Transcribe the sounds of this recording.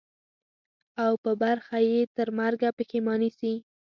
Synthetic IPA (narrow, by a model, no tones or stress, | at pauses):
awpəbaɾxajet̪əɾmaɾɡapəkemɑnisi